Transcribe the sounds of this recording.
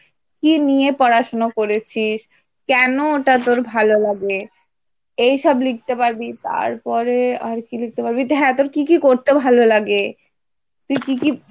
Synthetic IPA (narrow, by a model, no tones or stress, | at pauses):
kinijepɔɾaʃonokoɾet͡ɕʰiʃ | kɛnoːʈat̪̬oɾbʱalolaɡe | ejʃɔblik̚t̪epaɾbit̪a̰ɾpɔɾeaɾkilik̚t̪epaɾbiɦɛt̪oɾkikikoɾt̪ebʱalolaɡe | t̪uikiki